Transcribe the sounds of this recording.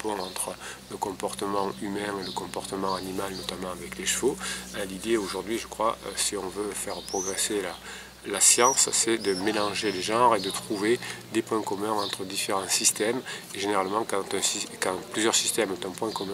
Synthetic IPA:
pɔ̃ɑ̃t̪χələkɔ̃pɔʁt̪əmɑ̃ymɛ̃eləkɔ̃pɔʁt̪əmɑ̃animalnɔt̪amɑ̃avɛkleʃfoɛ̃lid̪eoʒuʁd̪ɥiʒəkχwaʔø̰siɔ̃vøfɛʁpχɔɡʁesela | lasjɑ̃ssɛd̪əmelɑ̃ʒeleʒɑ̃ʁed̪ət̪χuved̪epwɛ̃kɔmɛ̃ɑ̃t̪χəd̪ifeʁɑ̃sist̪ɛmeʒeneʁalmɑ̃kɑ̃t̪ɛ̃sikɑ̃plyzjœʁsist̪ɛmt̪ɛ̃pwɛ̃kɔmɛ̃

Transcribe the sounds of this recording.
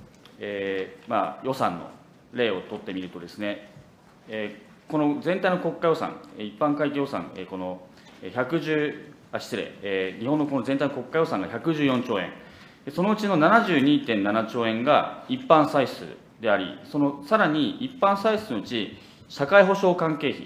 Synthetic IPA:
eːma̰ːjo̞sã̰nːo̞̰ | ɾe̞ːo̞t̪o̞t̪ːe̞mʲiɾɯ̟t̪o̞d̪e̞sɨne̞ | eː | ko̞no̞zẽ̞nt̪aijnoko̞kːajo̞sã̰ŋeipːãŋkaikejo̞sã̰ŋeːko̞no̞ | eçakɯ̟ʑɨː | aɕi̥t͡sɨɾe̞̰eɲ̟iɦonːoko̞no̞zẽ̞nt̪ainoko̞kːajo̞sãŋɡaçakɯ̟ʑɨːjõ̞ɲt͡ɕo̞ːẽ̞̰ŋ | d̪eso̞no̞ɯ̟t͡ɕino̞nanaʑɨːɲ̟iːt̪ẽ̞nːanat͡ɕo̞ːẽ̞ŋɡaipːãɰ̃saisɨ̰ | d̪e̞aɾʲḭso̞no̞saɾaɲ̟iipːãɰ̃saisɨno̞ɯ̟t͡ɕi | ɕakaiɦo̞ɕo̞ːkãŋke̞ːçḭ

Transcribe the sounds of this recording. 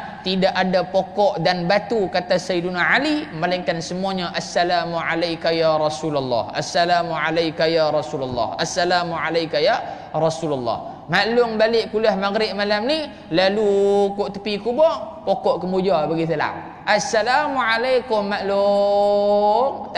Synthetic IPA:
t̪idaʔadapokɔʔdanbat̪ukat̪asajdunaʕalimalaŋkansəmuaɲaʔasːalamuʕalajkajaɾɑsulalːɑ̰hʔasːalamuʕalajkajaɾˤɑsulalːɑ̰hasːalamuʕalajkaja | ɾˤɑsulalːɑ̰h | maʔlʊŋbalɪʔkulahmaɡɾɪʔ̪̚malamni | lalukoʔt̪ə̥pikubɔ | pokɔʔkəmud͡ʒabəɡit̪̬əla̰ | ʔasalamuʕalajkʊmːaʔlʊ | ŋ

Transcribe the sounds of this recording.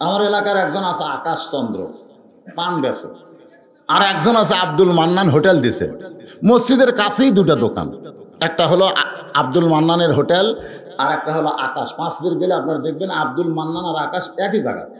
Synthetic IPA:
amaɾelakaɾɛk̚d͡ʑonasʰeakaʃt͡ɕɔnd̪ɾo̰ | panbɛsʰo̰ | aɾɛkd͡ʑonasʰeab̚d̪ulmanːanɦoʈeld̪it͡ɕʰḛmosd͡ʑid̪eɾkat͡ɕʰejd̪uʈad̪oka̰nɛk̚ʈaɦoloʔab̚d̪ulmanːaneɾɦoʈel | aɾɛk̚ʈaɦoloʔa̰kaʃpãt͡sb̪iɾɡeliap̚naɾad̪ek̚ʰbenab̚d̪ulmanːanaɾakaʃɛkid͡ʑa̰ɡa̰t̪

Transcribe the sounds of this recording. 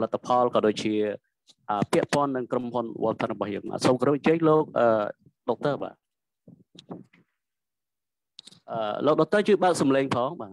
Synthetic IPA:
lat̪ʰːapʰɑlkɑːɗoːc̚t͡ɕiə | ʔəːpɛ̆əʔpŏənːɨŋkromhunʋo̰ət̪ʰanrɔɓɑhjə̰ːŋma̰ːsoːmkəɾɨp̚aɲt͡ɕəːɲ̚loːk̚ʔəː | ɗok̚t̪əːɓa̰ː | ʔəːloːk̚ɗok̚t̪əːt͡ɕɨːɓaək̚sɑmleːŋpʰɑːŋɓaː

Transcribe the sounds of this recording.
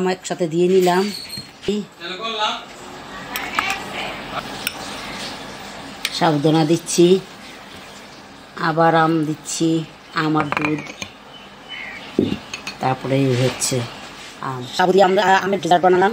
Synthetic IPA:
mɛkʃat̪ʰed̪ijenilam | i | ʃabud̪onad̪itːɕʰi | abaɾamd̪itːɕʰi | amaɾd̪ud̪ | t̪aɾpɔɾeɦotːɕʰe | a̰mʃabud̪iamɾaameɾɖizaɾ̚banalam

